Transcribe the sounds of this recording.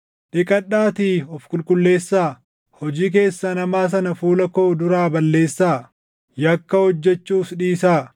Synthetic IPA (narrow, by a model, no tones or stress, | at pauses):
ᶑɪkʼɐᶑːaːt̪iɔfkʼʊlkʼʊlːe̞ːsːaː | hɔd͡ʒiːk̬e̞ːsːɐnɐmaːs̬ɐnɐfuːlɐkoːd̪ʊɾaːbɐlːe̞ːsːaː | jɐkːɐhɔd͡ʒːɛt͡ʃːuːsᶑiːsaː